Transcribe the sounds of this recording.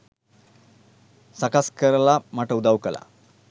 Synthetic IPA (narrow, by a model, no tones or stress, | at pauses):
sakaskəɾəlamaʈəud̪awkəla̰